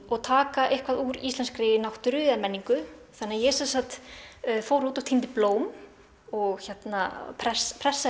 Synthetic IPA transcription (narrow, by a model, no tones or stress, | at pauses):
ɔɣt̪ʰaːkaʔehkʰvaðuːɾḭst̪ɛnskɾɪːjɪnawht̪ʏɾʏðamɛnːiŋkʏθanɪajɛsɛnsat̪foːwɾuːt̪aw̥t̪ʰint̪ɪploːwm | ɔɣçɛt̪napʰɾɛspʰɾɛsːa